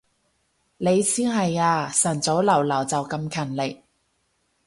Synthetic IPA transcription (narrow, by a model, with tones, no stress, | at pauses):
le˨˧jsiː˥nɦɐ˨jaː˧sɐ˨˩nt͡so˨˥wlɐ˨˩wlɐ˨˩wt͡sɐ˨wkɐ˧mkʰɐ˨˩nlɪ˨˩k̚